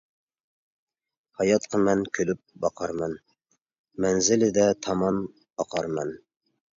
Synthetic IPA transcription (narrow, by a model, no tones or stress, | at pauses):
hɑjɑt̪̚qʰəmɛnkʲʰølyp̚bɑqʰɑɾmɑn | mænzɪlɪd̪ɛt̪ʰɑmɑm | ɑqʰɑɾmɑn